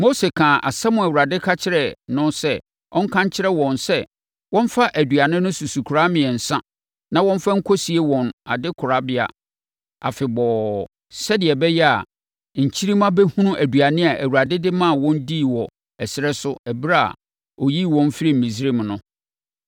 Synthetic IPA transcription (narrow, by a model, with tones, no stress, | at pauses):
mo˦se˨kʰãː˨ʔa˨sɛ˦mʊ̃˨æ˨wu˨ɾa˨dɪ˦kʰa˦t͡ɕʰɪ˦ɾɛ˨nʊ̃˦sɛ˦ | ɔ˦ŋ̩˦kʰã˦ɲt͡ɕʰɪ˦ɾɛ˦wɔ̃˨nsɛ˦ | wɔ̃˦n˦fa˦ʔæ˨du˨a˨nɪ̃˦nʊ̃˦su˨su˨kʰu˨ɾa˦mɪ̃˨ɛ˨n̩˨sã˦ | nã˦wɔ̃˦m˦fa˦ŋ̩˦kʰɔ˦si˨e˦wɔ̃˨na˨dɪ˦kʰʊ˨ɾa˦bɪ˦a̰˨ | a̰˨fɪ˨bɔː˨ | sɛ˦dɪ˨ɛ˨bɛ˦jɛ˦a˨ | ɲ̩˨t͡ɕʰi˦ɾi˦mã˦bɛ˦hũ˦nũ˦ʔæ˨du˨a˨nɪ̃˦a˨ʔæ˨wu˨ɾa˨dɪ˦dɪ˦mã˦˨wɔ̃˦ndi˦˨wɔ˨ | ɛ˨sɪ˦ɾɛ˦sʊ˦æ˨bɾa˦a̰˨ | ɔ˨ji˦˨wɔ̃˦m˦fi˦ɾi˦m̩˨mĩ˨s̬ɾe˦˨mnʊ̃˦